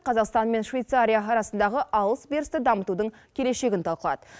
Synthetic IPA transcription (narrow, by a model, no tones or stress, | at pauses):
qʰɑzɑqst̪ɑnme̞nʃvʲejt̪saɾʲijaɑɾɑsənd̪ɑʁəʔɑlˠəsbeɾɪst̪ɪd̪ɑmət̪ud̪əɴ | kʲʰe̞le̞ʃe̞ɡʲɪnt̪ʰɑlˠqəlˠɑ̰d̪ə̥